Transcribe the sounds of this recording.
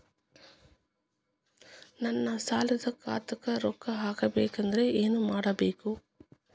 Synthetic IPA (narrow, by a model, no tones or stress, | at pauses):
nɐnːɐsaːlɐd̪ɐka̰ːt̪ɐkɐɾɔkːɐɦaːkɐbḛːkɐnd̪ɐɾeʔeːnumaːɽɐbeːku